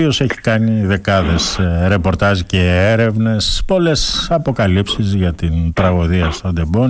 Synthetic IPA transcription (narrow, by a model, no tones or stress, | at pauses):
io̞seçi̥kɐniðe̞kɐðe̞sɾe̞po̞ɾt̪ɐziceeɾe̞vne̞spo̞le̞sɐpo̞kɐlipsizʝɐt̪int̪ɾɐɣo̞ðiɐst̪oɐd̪e̞bon